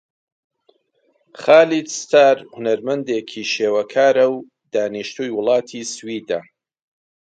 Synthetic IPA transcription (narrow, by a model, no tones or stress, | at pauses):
χaːlid̪st̪aːɾhʊnɐɾmɐnd̪eːkʰiːʃeːwɐkʰaːɾɐw | d̪̥aːniʃt̪ʰujwʊlˠɑːt̪ʰiswiːd̪ɐ